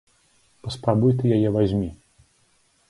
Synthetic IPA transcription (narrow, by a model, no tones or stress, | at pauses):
pɐspɾabujt̪ɨjajɛvazʲmʲi